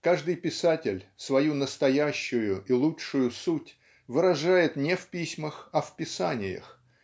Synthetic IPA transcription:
kaʐd̪ɨjpʲɪsatʲɪlʲsvɐjunəst̪ɐjæɕːʊjʊʔilˠuʂʊjʊsutʲ | vɨɾɐʐajɪt̪nʲɪfpʲisʲməxɐfpʲɪsanʲɪjə̰x

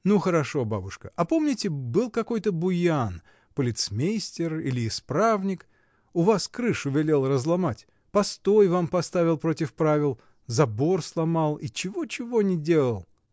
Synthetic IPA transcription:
nuxəɾɐʂo̞ba̰bʊʂkəʔɐpo̞mnʲɪtʲɪbɨlˠkɐko̞jt̪əbʊjan | pəlʲɪt̪smʲejsʲtʲɪrilʲɪːspɾavnʲɪk | ʊvaskɾɨʂʊvʲɪlʲe̞lˠrəzlˠɐmatʲ | pɐst̪o̞jvampɐst̪avʲɪlˠpɾo̞tʲɪfpɾavʲɪlˠ | zɐbo̞rslˠɐmalˠit͡ɕɪvot͡ɕɪvo̞nʲɪdʲe̞lˠəlˠ

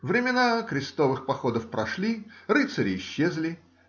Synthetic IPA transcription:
vɾʲɪmʲɪnakɾʲɪst̪o̞vɨxpɐxo̞d̪əfpɾɐʂlʲiɾɨt̪səɾʲɪːɕːezlʲɪ

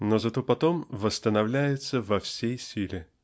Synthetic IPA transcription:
nozɐt̪o̞pɐt̪o̞mvəst̪ənɐvlʲæjɪt̪səvɐfsʲejsʲilʲɪ

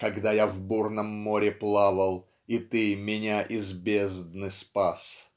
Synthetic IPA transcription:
kɐɡd̪ajavburnəmːoɾʲɪplˠavəlˠ | ɪt̪ɨmʲɪnʲaʔɪzbʲezd̪nɨspas

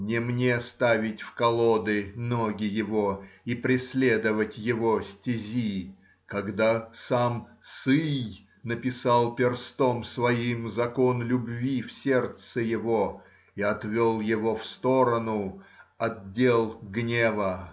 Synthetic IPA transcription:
nʲɪmnʲest̪avʲɪtʲfkɐlˠod̪ɨnoɡʲɪjɪvoipɾʲɪsʲlʲe̞d̪əvətʲjɪvosʲtʲɪzʲi | kɐɡd̪asam | sɨj | nəpʲɪsalˠpʲɪrst̪omsvɐimzɐkonlʲʊbvʲifsʲert̪səjɪvo | iɐt̪vʲolˠjɪvo̞fst̪oɾənʊɐddʲːelˠɡnʲevə

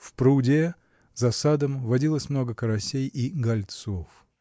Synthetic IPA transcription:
fpɾudʲe | zɐsad̪əmvɐdʲilˠəsʲmno̞ɡəkəɾɐsʲejiɡɐlʲt̪sof

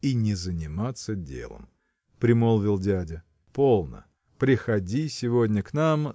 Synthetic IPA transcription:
inʲɪzənʲɪmat̪sədʲḛlˠə̰m | pɾʲɪmolˠvʲɪlˠdʲædʲə | po̞lˠnə̰ | pɾʲɪxɐdʲisʲɪvodʲnʲəknam

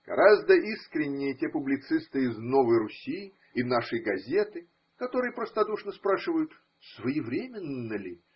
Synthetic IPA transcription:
ɡ̥ɐ̰ɾʔazd̪əʔiskɾʲɪnʲːɪjətʲepʊblʲɪt̪sɨst̪ɨɪznovəjrʊsʲi | ɪnaʂɨjɡɐzʲet̪ɨ | kɐt̪o̞ɾɨjəpɾəst̪ɐd̪uʂnəspɾaʂɨvəjʊt̪ | svəjɪvɾʲemʲɪnːəlʲɪ

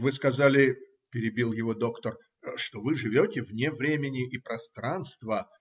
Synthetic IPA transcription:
vɨskɐzalʲɪ | pʲɪɾʲɪbʲilˠjɪvo̞d̪o̞kt̪ər | ʂt̪o̞vɨʐɨvʲotʲɪvnʲevɾʲemʲɪnʲɪʔɪpɾɐst̪ɾanst̪və

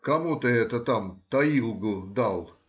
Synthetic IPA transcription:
kɐmut̪əɛt̪ət̪amt̪ɐilˠɡʊd̪ɑlˠ

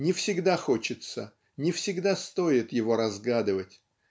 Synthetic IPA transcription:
nʲɪfsʲɪɡd̪axo̞t͡ɕɪt̪sə | nʲɪfsʲɪɡd̪ast̪o̞ɪt̪jɪvo̞ɾɐzɡad̪ɨvətʲ

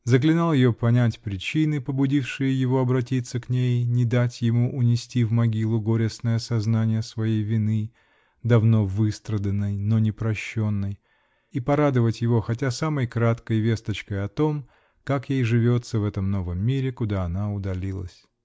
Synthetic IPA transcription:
zəklʲɪnalˠjɪjopɐnʲætʲpɾʲɪt͡ɕinɨpəbʊdʲifʂɨjɪjɪvo̞ɐbɾɐtʲit̪sːəknʲejnʲɪd̪atʲjɪmuʔʊnʲɪsʲtʲivmɐɡʲilˠʊɡoɾʲɪsnəjəsɐznanʲɪjəsvɐjejvʲɪnɨ | d̪ɐvno̞vɨst̪ɾəd̪ənːəjno̞nʲɪpɾɐɕːo̞nːəj | ipɐɾad̪ɨvətʲjɪvo̞xɐtʲasaməjkɾat̪kəjvʲe̞st̪ət͡ɕkəjɐt̪o̞m | kakjejʐɨvʲo̞t̪səvɛt̪əmno̞vəmːʲiɾʲɪkʊd̪aɐnaʊd̪ɐlʲilˠə̰sʲ

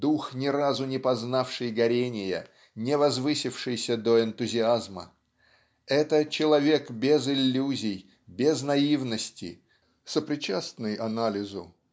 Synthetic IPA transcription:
d̪uxnʲɪɾazʊnʲɪpɐznafʂɨjɡɐɾʲenʲɪjə̰ | nʲɪvɐzvɨsʲɪfʂɨjsʲəd̪oɪnt̪ʊzʲɪazmə̰ | ɛt̪ət͡ɕɪlˠɐvʲe̞kbʲɪzɪlʲːuzʲɪj | bʲɪznɐivnəsʲtʲɪ̰ | səpɾʲɪt͡ɕasnɨjʔɐnalʲɪzʊ

